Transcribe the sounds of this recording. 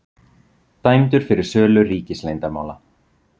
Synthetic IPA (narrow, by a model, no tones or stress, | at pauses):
t̪aːjmt̪ʏɾ̥fɪɾɪɾ̥sœːlʏriːcɪslejnt̪ama̰ːwla